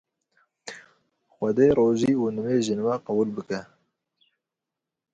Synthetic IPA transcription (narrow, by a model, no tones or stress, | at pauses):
xʷɛd̪eːɾoːʒiːunɨmeːʒɨnwɛqɐbuːlbɨkɛ